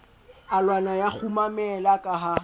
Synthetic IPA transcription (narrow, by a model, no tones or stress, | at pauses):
alwanajak͡xʰumamɛlakʼaɦa